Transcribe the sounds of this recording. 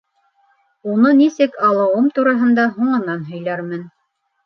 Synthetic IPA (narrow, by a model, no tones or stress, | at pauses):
unɤnisɘkɑlˠɤ̆wɤmt̪uɾɑɦɤ̆nd̪ɑɦuɴɤ̆nɑnɦɵ̆jlæɾmɘn